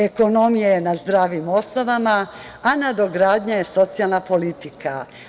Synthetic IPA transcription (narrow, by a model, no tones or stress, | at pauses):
e̞ko̞no̞mijajenazd̪ɾaːʋimo̞sno̞ʋama | anad̪o̞ɡɾaːd̪ɲaje̞so̞t̪sialnapo̞lit̪ika̰